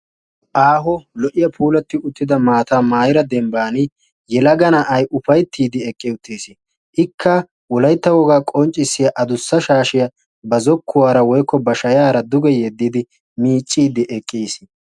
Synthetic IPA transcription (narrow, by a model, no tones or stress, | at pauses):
ʔaːɦɔlɔʔɪjɐpʰuːlɐt̪ːɪʊt̪ːɪd̪ɐmaːt̪aːmaːjɪɾɐd̪ɛmbaːnɪ | jɛlɐɡɐnɐʔɐjʔʊfɐjt̪ʰːiːd̪ɪɛkʼːɛʊt̪ʰːeːsɪ | ʔɪkʰːɐ | wɔlɐjt̪ːɐwɔɡaːkʼɔnt͡ʃʼːɪsːɪjɐʔɐd̪ʊsːɐʃaːʃɪjɐ | bɐzɔkʰːʊwaːɾɐwɔjkːɔbɐʃɐjaːɾɐd̪ʊɡɛjɛd̪ːɪd̪ɪ | miːt͡ʃʼːiːd̪ɪʔɛkʼːiːs